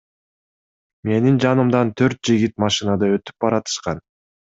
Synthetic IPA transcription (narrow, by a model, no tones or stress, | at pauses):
me̞nind͡ʒɑnɯmd̪ɑnt̪ʰø̞ɾt̪̚d͡ʒiɡit̪mɑʃɨnɑd̪ɑøt̪y̥p̚bɑɾɑt̪ɯ̥ʃqɑn